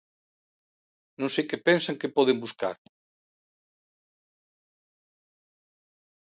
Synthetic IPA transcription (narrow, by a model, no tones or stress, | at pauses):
nõnsejkepensaŋkepɔðembuska̰ɾ